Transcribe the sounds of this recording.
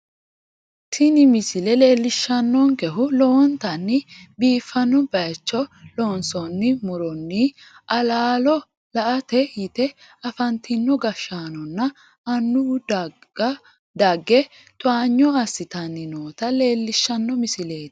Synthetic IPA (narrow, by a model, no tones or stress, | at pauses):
t̪ʰɪnɪmɪsɪlɛleːlːɪʃːɐnːɔŋkɛɦʊlɔwɔnt̪ɐnːɪbiːfːɐnːɔbɐjt͡ʃːɔlɔnsɔnːɪmʊɾɔnːiɐlaːlɔ | lɐʔɐt̪ɛjɪt̪ɛ | ɐfɐnt̪ɪnːɔɡɐʃːaːnɔnːɐ | ɐnːʊ | d̪ɐɡːɛ | t̪ʊaːɲːɔɐsːɪt̪ɐnːɪnoːt̪ɐle̞ːlːɪʃːɐnːɔmɪsɪle̞ːd̪